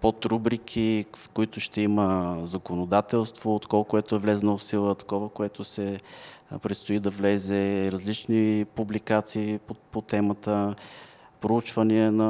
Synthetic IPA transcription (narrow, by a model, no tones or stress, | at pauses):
pot̪ɾubɾikʰifkoit̪ʊʃt̪ɛiməzɐkonod̪at̪ɛlˠst̪voːt̪kolˠkoɛt̪oɛvlɛznofsilˠət̪ɐ̥kɔvəkoɛt̪osɛ | pɾɛt̪st̪oʊid̪ɐvlɛzɛɾɐzlit͡ʃnipublikat̪siːpopot̪ɛmət̪ə | pɾout͡ʃvəniɛnɐ